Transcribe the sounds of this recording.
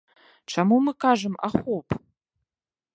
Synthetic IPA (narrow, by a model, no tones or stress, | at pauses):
ʈ͡ʂʰamumɨkʰaʐɨma̰χʷowpʰʼ